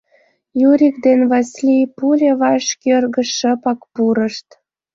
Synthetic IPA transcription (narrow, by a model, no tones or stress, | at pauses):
juɾʲikd̪enβɑsʲlipulʲeβɑʃkʲørɣə̆ʃəpɑkpuɾəʃt̪